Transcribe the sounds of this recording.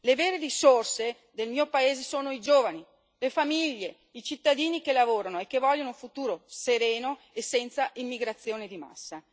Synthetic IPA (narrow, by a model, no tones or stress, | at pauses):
leveːɾerisorse | d̪elmiːopaeːzesoːnoid͡ʒoːvani | lefamiʎːe | it͡ʃit̪ːad̪iːnikelavoːɾanoekːevɔʎːonouɱfut̪uːɾoseɾeːno | esːɛnt̪saimːiɡɾat̪sːjoːned̪ima̰sːa